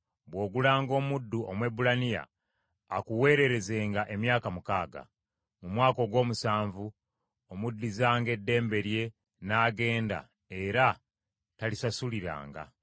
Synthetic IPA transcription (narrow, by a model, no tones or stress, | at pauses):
bwo̞ːɡulaːŋɡo̞ːmudːuʔo̰mwe̞bulanija̰ː | kuwe̞ːɾe̞ɾe̞ze̞ːŋɡaʔe̞mjaːkamukaːɡa̰ | mumwaːko̞ɡwo̞ːmusaːɱvu | omudːizaːŋɡe̞dːe̞ːmbe̞ɾje̞ | naːɡe̞ːnda̰ | e̞ɾa | talisasuliɾa̰ːŋɡa̰